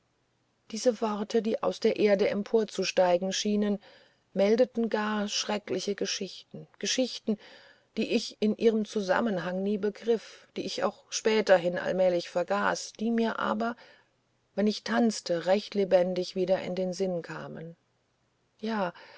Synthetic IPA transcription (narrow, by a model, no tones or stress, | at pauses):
d̥iːzəvɔʁtʰədiːʔa̰ʊsd̥eːɐʔeːɐdəʔɛmpʰoːɐt͡suʃtaɪɡŋ̩ʃiːnən | mɛldətn̩ɡaːɐʃʁ̥ɛklɪçəɡəʃɪçtn̩ɡ̥əʃɪçtn̩ | d̥iːʔɪçɪnʔiːʁəmt͡suza̰mənɦaŋniːbəɡʁɪfd̥iːɪça̰ʊxʃpɛːtɐɦɪnʔa̰lmɛːlɪçfɛɐɡa̰ːsd̥iːmiːɐʔa̰ːbɐ | vɛnɪçtʰant͡stʰəʁɛçtlebɛndɪçv̥iːdɐʔɪ̰ndeːnzɪnkʰa̰ːmən | jaː